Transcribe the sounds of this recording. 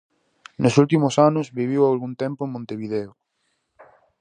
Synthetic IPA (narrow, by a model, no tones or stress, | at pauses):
nosult̪imosanʊzβiβ̞iwalɣunt̪empoeŋmõnt̪eβiðeo